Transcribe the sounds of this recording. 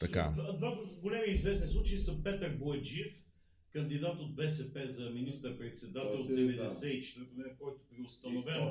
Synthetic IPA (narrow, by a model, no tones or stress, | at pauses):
t̪ɐka̰dvad̪vat̪əɡolɛmiizvɛsnislˠut͡ʃɛisəpɛt̪əɾboɛd͡ʒiɛf | kɐnd̪id̪at̪ot̪vɛs̬ɛpɛzɐminist̪əɾpɾɛt̪sɛd̪at̪ɛlˠod̪d̪ɛvɛd̪ɛsɛit͡ʃɛ̥t̪ɛpomɛnkɔjt̪obɾiʊst̪ɐnovɛn